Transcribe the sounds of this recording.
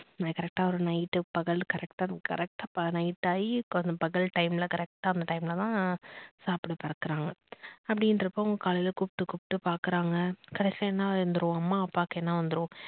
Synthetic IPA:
nakɐɾɛk̚ʈaːɔɾɯnɐɪʈːɯpɐɣɐɭkɐɾɛkʈaːkɐ̰ɾɛk̚ʈaːpɐnɐɪʈːaːjkɔnɐpɐɣɐɭʈɐɪmlɐkɐɾɛk̚ʈaːɐnd̪ɐʈɐɪmlɐt̪ãːsaːpɽɯpɐɾɐkːɯɾaːŋɡɐɐpːɐɽɪndɾɐpːõʊŋɡɐkaːlɐjɪlɐkupʈːɯkupʈːɯpaːɾkɯɾaːŋɡɐkɐɽɛsɐ̃ɛnːaːɐnd̪ɯɾõɐmːaːɐpːaːkɛnːaʋɐnd̪ɯɾõ

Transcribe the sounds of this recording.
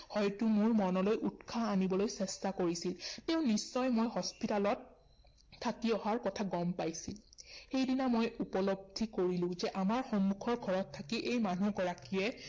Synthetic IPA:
hɔjtumuɹmɔnɔlojʔutkʰaːnibɔlojsɛstakoɹisiltɛʊ̃nisːɔjmojɦɔspitalɔt̚ʰː | atiɔɦaɹkɔtʰaɡɔmpajsilxejdinamojupɔlob̚dʱikoɹilʊ̃zɛʔamaɹxɔmːukʰɔɹɡʱɔɹɔtʰːakiʔejmanuɡɔɹakiɛ

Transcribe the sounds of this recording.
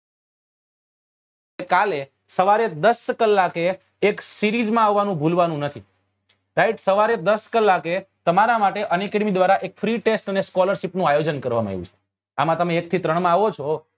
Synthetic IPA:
ekale | səʋaɾed̪əskəlːakeː | ksiɾid͡ʒmãaʋːanũbʱulʋanũnət̪ʰi | ʈaiʈsəʋaɾed̪əskəlːaket̪əmaɾamaʈeʔənekəɖmid̪ʋaɾaʔekfɾiʈesʈəneskɔləɾʃipnũajod͡ʒənkəɾʋamãɦḛʋjṵ̃t͡ʃʰe̥ | a̰mãt̪əmẽːk̚t̪ʰit̪ɾəɳmãaʋot͡ʃʰɔ

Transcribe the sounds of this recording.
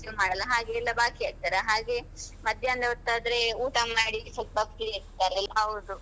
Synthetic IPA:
sjumaːɽɐlɐɦaːɡeːlːɐbaːkiaːɡ̚t̪aːɾeɦaːɡe̞ | mɐd̪ʱjɐɐnd̪ɐɦot̪ːaːd̪ɾe̞uːʈamaːɽipɐbapieɾt̪ːaːɾɛlːɐɐʋd̪u

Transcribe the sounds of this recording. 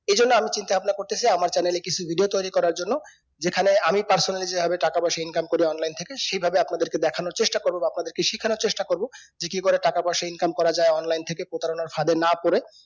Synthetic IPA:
ed͡ʑonːoamit͡ɕint̪ebʱabnakoɾt̪et͡ɕʰajamaɾt͡ɕɛnelekit͡ɕʰubʱiɖiot̪ojɾikɔɾaɾd͡ʑonːo | d͡ʑekʰaneamipaɾsonalid͡ʑebʱabeʈakabaʃeinkamkoɾiɔnlajnt̪ʰekeʃejbʱabeapnad̪eɾked̪ɛkʰanoɾt͡ɕeʃʈakoɾbobaapnad̪eɾkeʃikʰːanoɾt͡ɕeʃʈakoɾbo | d͡ʑekikoɾeʈakabaʃeinkamkɔɾad͡ʑaeɔnlajnt̪ʰekepɾot̪aɾonaɾfad̪enapoɾe

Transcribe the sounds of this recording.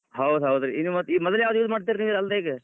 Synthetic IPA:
ɦɐwd̪ɦɐd̪ɾeinːimɐimɔd̪ɐljaːʋd̪juːd͡ʒmaːɖt̪̬iɾniːʋɾɐld̪eːɡe

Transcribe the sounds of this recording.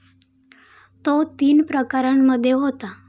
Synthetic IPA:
t̪ot̪iːnpɾəkaɾəɳməd̪ʱːjeɦot̪a

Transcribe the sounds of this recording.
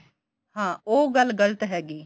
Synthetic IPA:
hãːoːɡəlɡələt̪ɦɛːɡiː

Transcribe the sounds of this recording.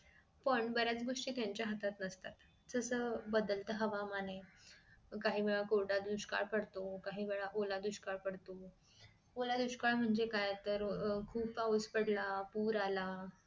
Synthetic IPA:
pəɳbəɾjat͡sɡoʂʈiːt̪jaɲt͡ɕjaɦət̪at̪nəst̪at̪ | d͡zəsəːbəd̪əlt̪əɦəʋamane | kaɦiːʋeɭakoɾɽad̪uɕka̰ɭpəɽt̪okaɦiːʋeɭaʔolad̪uɕkaɭpəɽt̪o | olad̪uɕkaɭm̤əɳd͡zekajt̪əɾkʰuːpauspəɽlapuːɾala

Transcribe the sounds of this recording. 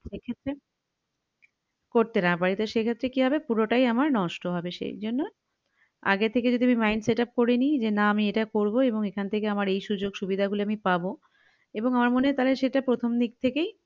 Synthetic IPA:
ʃekʰet̪ːɾe | koɾt̪enabaɾit̪oʃekʰet̪ːɾekiɦɔbepuɾoʈajamaɾnɔʃʈoɦɔbeʃḛjd͡ʑonːo | a̰ɡet̪ʰeked͡ʑiod̪ʱiamimajnseʈap̚koɾenid͡ʑenaamieʈakoɾboeboŋekʰanet̪ʰekeamaɾejʃud͡ʑoɡʃubid̪ʱaɡuloamipabo | eboŋamaɾmonet̪aleʃeʈapɾot̪ʰomd̪ik̚t̪ʰekej

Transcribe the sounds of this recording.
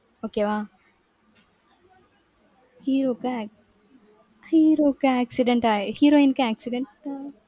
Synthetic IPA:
oːkeʋa | hiɾoːka | hiɾoːkaæksiɖeɳʈaehiɾoinkaæksiɖeɳʈa

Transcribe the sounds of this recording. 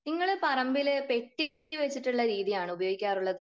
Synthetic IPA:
niŋːɐɭpɐrɐmbilpe̞ʈːi | ɨʋet͡ɕːiʈːuɭːɐɾiːðijaːɳɨubɐjoːɡikʲːaːruɭːɐð

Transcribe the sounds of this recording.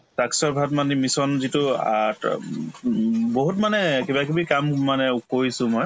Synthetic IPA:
saksɔɹbʱatmanimisɔnzitʊa̰ | boɦutmanɛkebakibikammanɛukoɹisʊ̃mɔj

